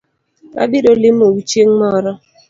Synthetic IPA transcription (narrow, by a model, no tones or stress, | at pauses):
a̰biɾolɪm̩owut͡ʃeŋ̩mɔɾɔ